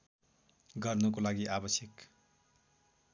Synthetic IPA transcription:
ɡʌrnukolaɡiʔabʌsjʌk

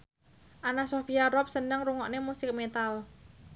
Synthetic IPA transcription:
ʔanasofijaɾɔp̚sənəŋruŋɔʔnemusɪk̚met̪al

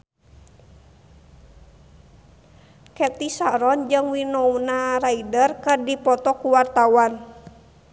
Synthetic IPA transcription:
kɛt̪isaɾɔnd͡ʒɨŋwinɔwnaɾaidərkɨrdipɔt̪ɔkuwart̪awan

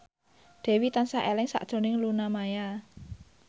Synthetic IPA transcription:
d̪̥e̤wit̪ansaʔelɪŋsa̰ʔd̥ʒ̥ɔ̤nɪŋlunamaja

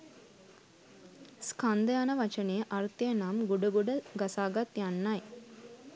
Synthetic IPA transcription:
skand̪əjanəʋat͡ʃənejəʔɐɾt̪ijənamɡuɖəɡuɖəɡasaːɡat̪janːaj

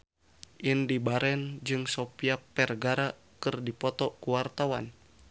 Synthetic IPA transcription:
ʔindibaɾɛnd͡ʒɨŋsopiapɛrɡaɾa | kɨrdipɔt̪ɔkuwart̪awa̰n

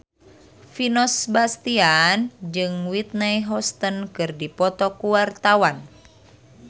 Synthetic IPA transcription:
finɔsbast̪iand͡ʒɨŋwit̪̚najɦɔst̪ənkɨrdipɔt̪ɔkuwart̪awan

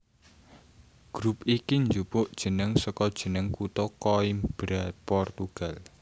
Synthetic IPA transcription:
ɡ̥ɾupikiɲd͡ʒupʊʔd̥ʒ̥ə̤nəŋsɔkɔd̥ʒ̥ə̤nəŋkut̪ɔkɔimb̥ɾapɔrt̪uɡ̥a̤l

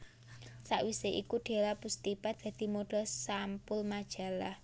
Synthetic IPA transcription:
saʔwiseʔikuɖ̪̥e̤lapust̪ipad̪̥ä̤d̪̥i̤moɖ̥ɔ̤sampʊlmad̥ʒ̥a̤lah

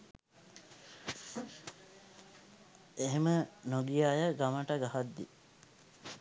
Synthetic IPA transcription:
eɦemənoɡijaːjəɡaməʈəɡaɦad̪ːḭ

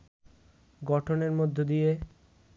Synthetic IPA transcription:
ɡɔʈʰoneɾmod̪ʱːod̪ije

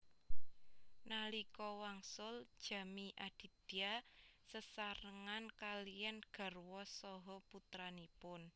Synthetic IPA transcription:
nalikɔwaŋsʊld̥ʒ̥ä̤miʔad̪̥i̤d̪̥i̤asəsaɾəŋankalijanɡ̥a̤rwɔsɔɦɔput̪ɾanipʊn

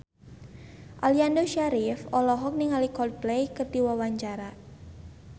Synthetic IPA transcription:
ʔaliandoʃaɾifɔlɔɦɔk̚niŋalikɔd̚blɛjkərd̪iwawaɲt͡ʃaɾa

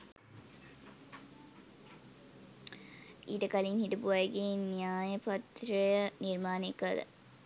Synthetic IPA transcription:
iːʈəkalinhiʈəbuʋajɡeːnijaːjəpɐt̪ɾəjəniɾmaːnekːəd̪ə̰

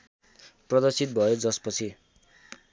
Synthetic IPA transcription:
prʌd̪ʌrsit̪̚bʱʌjod͡zʌspʌt͡sʰi

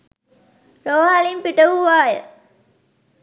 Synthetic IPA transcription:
ɾoːɦalimpiʈɐuʋaːjə̰

